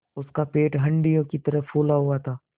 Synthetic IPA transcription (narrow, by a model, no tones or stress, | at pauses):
ʊskapeːʈɦɐ̃ɳɖijõkit̪ɐɾəfʰuːlaɦuat̪ʰaː